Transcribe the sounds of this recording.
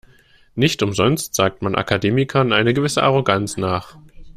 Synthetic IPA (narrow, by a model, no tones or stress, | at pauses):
nɪçtʔʊmzɔnstz̥aːk̚tmanʔa̰kʰadeːmɪkʰɐnʔaɪnəɡəvɪsəʔaʁoɡant͡snaːχ